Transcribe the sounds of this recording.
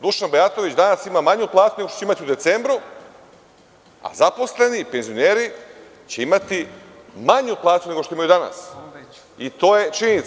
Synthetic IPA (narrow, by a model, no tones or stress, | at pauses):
d̪uʃanbejat̪o̞ʋit͡ɕd̪anasimamaɲuplˠaːt̪uneɡot̪ot͡ɕeimat̪iud̪e̞t̪se̞mbɾu | a̰zapo̞sle̞nipe̞nzijoneːɾi | t͡ɕe̞imat̪i | maɲuplˠaːt̪une̞ɡo̞ʃt̪oimajud̪ana̰s | it̪o̞ːje̞t͡ʃiɲenit̪s